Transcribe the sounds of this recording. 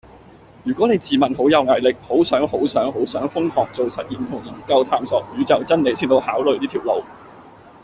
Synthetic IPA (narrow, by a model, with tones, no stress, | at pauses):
jyː˨˩kɔː˨˥ne˨˧jt͡siː˨mɐ˨nɦo˨˥wjɐ˨˧wŋa˨jlɪ˨k̚ho˨˥wsœː˨˥ŋho˨˥wsœː˨˥ŋho˨˥wsœː˨˥ŋfʊ˥ŋhɔː˨k̚t͡so˨wsɐ˨t̚jiː˨nt̪ʰʊ˨˩ŋji˨˩nkɐ˧wt̪ʰaː˧msɔː˨˩k̚jyː˨˥t͡sɐ˨˩wt͡sɐ˥nne˨˧jsiː˥nt̪o˧whaː˨˥wlɵ˨ɥt̪iː˥t̪ʰiː˨˩wlo˨w